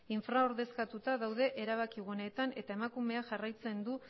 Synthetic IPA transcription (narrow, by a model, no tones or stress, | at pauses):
iɱfɾao̞ɾðe̞skat̪ut̪aðawðe̞ʔe̞ɾaβ̞akiɣune̞t̪ane̞t̪ae̞makume̞aʝarajt͡se̞nd̪u